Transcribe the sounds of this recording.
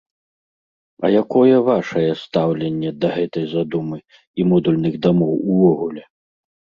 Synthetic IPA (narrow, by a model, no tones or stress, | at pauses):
ɐ̰jakɔjɛvaʂɐjɛst̪awlʲɛnʲːɛd̪ɐɣɛt̪ɐjzad̪umɨ | imɔd̪ulʲnɨɣd̪amɔwuvɔɣulʲɛ